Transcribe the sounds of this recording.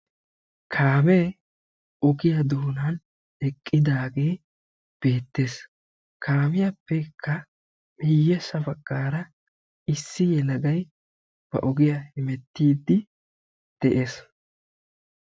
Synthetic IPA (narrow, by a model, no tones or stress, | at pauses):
kʰaːmɛ | ɔɡɪjɐd̪uːnɐn | ɛkʼːɪd̪aːɡeː | b̥e̞ːt̪ːe̞ːs | kʰaːmɪjɐpːɛkʰːɐ | mɪjːɛsɐfɐkʼːaːɾɐ | ɪsːɪjɛlɐɡɐj | b̥ɐ̰ʔɔɡɪjɐhɪmɛt̪ːiːd̪ːɪ | d̪̥ɛʔeːs